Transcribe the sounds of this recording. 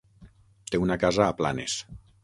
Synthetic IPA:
t̪eunakazaːpla̰nes

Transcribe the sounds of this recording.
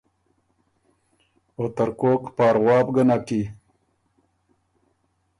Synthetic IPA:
ot̪əɾkoːkpɑːɾɣwɑːbɡənaki

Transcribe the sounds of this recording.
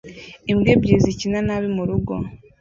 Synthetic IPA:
imɡebɟizicinanaβimuɾuɡo̞̰

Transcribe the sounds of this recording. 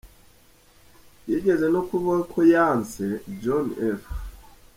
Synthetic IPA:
jeɟezenokuβakʰojansed͡ʒonef

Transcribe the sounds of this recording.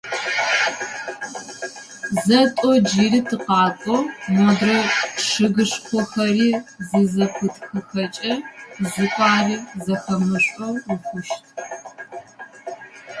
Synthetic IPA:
zɐtʼɔd͡ʒiːritʰɨqɑːkʷʼɔmɐdrɐʂɨɣɨʂxʷɔxɐriːzɨzɐpʷʰʊtʰʼxɨxɐt͡ʃʼɐzʊkʷʼɑːriːzɐxɐmɨɕʷʼɔwrɨxʷʊʃtʰʼ

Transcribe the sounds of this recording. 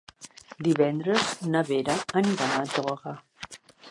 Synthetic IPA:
d̪iβɛnd̪ɾəznəβeɾaəniɾamat̪ɔɣa

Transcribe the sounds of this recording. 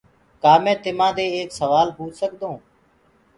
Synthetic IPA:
kaːmẽːt̪ɪmãːd̪eːeːksəʋaːlpuːt͡ʃsəkd̪õː

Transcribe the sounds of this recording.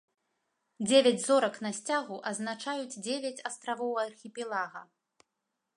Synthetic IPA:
d͡zʲevʲad͡zʲzɔɾɐknɐsʲt͡sʲaɣuʔɐznat͡ʂajud͡zʲd͡zʲevʲat͡sʲɐst̪ɾavɔwɐrxʲipʲɛlˠaɣɐ

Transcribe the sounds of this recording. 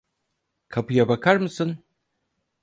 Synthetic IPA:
kʰapɯjabakʰaɾmɯsɯn

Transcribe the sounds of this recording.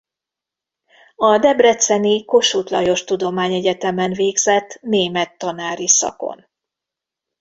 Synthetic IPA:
ɒd̪ɛbrɛt̪sɛniko̞ʃuːt̪lɒ̰jo̞ʃt̪ud̪o̞maːɲɛɟɛt̪ɛmɛnveːɡzɛt̪ːneːmɛt̪ːɒnaːɾisɒ̰ko̞̰n

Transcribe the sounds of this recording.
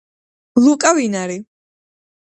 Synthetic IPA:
lukʼavinaɾi

